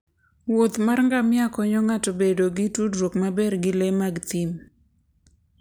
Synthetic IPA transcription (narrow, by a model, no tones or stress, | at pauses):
wot̪marŋɡamɪakɔɲɔŋatobedoɡɪtudɾwokmabɛrɡɪlemaɡt̪im